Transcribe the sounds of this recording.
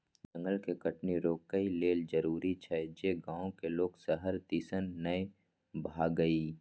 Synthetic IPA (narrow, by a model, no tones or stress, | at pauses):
d͡ʒɐ̃ŋɡəlkekəʈniɾoːkːəileːld͡ʒəɾuːɾit͡ʃʰɛd͡ʒeɡãːõkeloːɡsəɦəɾt̪iːsənːɐj | bʱaːɡəi